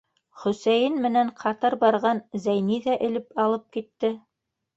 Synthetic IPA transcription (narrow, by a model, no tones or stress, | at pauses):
χɵ̆sæjɘnmɘ̆næɴqʰɑt̪ɤɾbɑɾʁɑnzæjniðæʔɘ̆lɘpɑlˠɤp̚kit̪ːɘ